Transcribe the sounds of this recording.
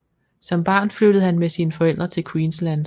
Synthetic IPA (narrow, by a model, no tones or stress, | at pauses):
sɒ̽mb̥ɑ̰̈ːnflød̥əð̞̩ˠhænmesiːnəfɒ̽el̰d̥ʁɐt͡sʰe̝lkʰwiːnslænd̥